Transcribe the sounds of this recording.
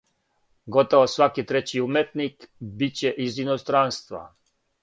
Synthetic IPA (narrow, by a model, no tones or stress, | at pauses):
ɡot̪oʋosʋakit̪ɾet͡ɕiumet̪nikbit͡ɕeʔizinost̪ɾanst̪ʋa̰